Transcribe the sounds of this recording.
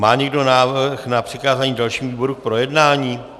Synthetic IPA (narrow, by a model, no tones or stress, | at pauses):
maːɲɛɡdo̞naːvɾxnapr̥ɪkaːzaːɲiːdalʃiːmuviːbo̞ɾuk̚pɾo̞jɛdnaːɲiː